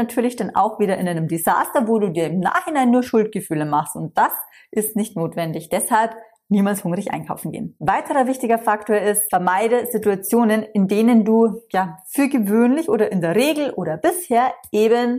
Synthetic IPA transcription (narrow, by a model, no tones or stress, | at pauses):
natʰyːɐlɪçd̥anʔa̰ʊxv̥iːdɐʔɪnʔaɪnəmdiza̰ːstɐvoːduːdiːɐɪmna̰ːχhɪnaɪnːuːɐʃʊlt̚ɡ̥əfyːləmaχstʊnt̚d̥as | ʔɪstnɪçtnoːtv̥ɛndɪçd̥ɛshalp | niːmaːlshʊŋʁɪçʔa̰ɪnkʰaʊfn̩ɡḛːnvaɪtʰəʁɐvɪçtɪɡɐfaktoːɐɪstfɛɐmaɪdəzɪtuat͡sjoːnənɪndeːnənduːjaːfyːɐɡəvøːnlɪçʔoːdɐʔɪndeːɐʁeːɡl̩ʔoːɾɐb̥ɪsheːɐʔeːbən